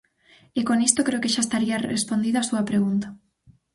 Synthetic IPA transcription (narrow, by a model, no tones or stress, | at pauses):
ekonist̪okɾeokeʃaest̪aɾiɐrḛspond̪iðoasuɐpɾeɣ̞unt̪ḁ